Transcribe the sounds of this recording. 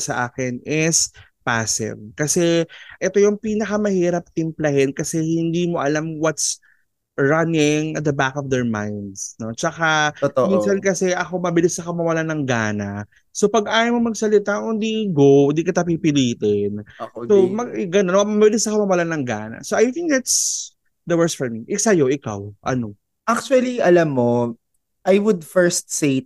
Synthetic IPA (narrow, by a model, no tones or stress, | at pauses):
sɐʔaːkɪnɪs | paːsɛ̰nkɐsɛʔɛt̪o̞jʊŋpiːnɐkɐmɐhiːɾɐp̚t̪ɪmplɐhɛnkɐsɛhɪnd̪iːmo̞ʔɐlamwɐt̪s | ɹɐnɪŋɐt̪̚d̪ɐbakɔfd̪ɛɹma̰jnd̪sno̞t͡ʃɐkaminsɐnkɐsɛʔɐko̞mɐbɪlɪsɐkomɐwɐlanɐŋɡaːna | sopɐɡʔaːjɐmomɐɡsɐlɪt̪aʔʊnd̪iɡond̪iːkɪt̪apipɪliːt̪ɛnsomɐɡɡɐnonomɐbbɪlɪsɐkomɐwɐlanɐŋɡa̰ːnɐ̰soʔajθɪ̃ŋk̚d̪at̪s | d̪ɐwɛɹst̪fɔɹmiʔɪsɐjo̞ʔɪka̰wʔɐ̰no | ʔak̚t͡ʃuɐliʔɐlɐmːo | ʔajwʊd̪fɛɹst̪̚se